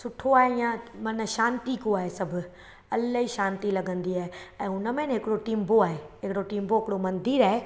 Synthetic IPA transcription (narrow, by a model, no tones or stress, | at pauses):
sʊʈʰoaːɦeĩjãmɐnəʃãːnt̪ikoaːɦesɐbʱʊ | ɐlɦiʃaːnt̪ilɐɡə̃nd̪iaːɦeɛ̃ːʊnə̆mẽnɦɪkɪɽoʈiːmboaːɦeɦɪkɪɽoʈiːmboɦɪkɪɽomɐ̃nd̪ʱiːɾaːɦe